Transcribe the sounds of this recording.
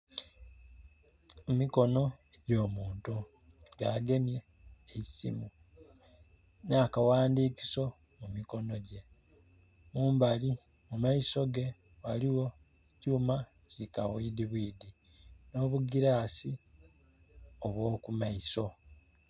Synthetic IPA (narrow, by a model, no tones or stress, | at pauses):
emiko̞no̞eɟo̞ːmuːntu | ɡaɡe̞mje̞ | eisḭmu | nakawaːndiːki̥so̞ | mumiko̞no̞ɟe̞ | muːmbali | mumaiso̞ɡe̞ | waliwo̞ | cuːma | cikawiːdiβwiːdi | no̞ːβuɡiɾasi | oβwo̞ːkumaiso̞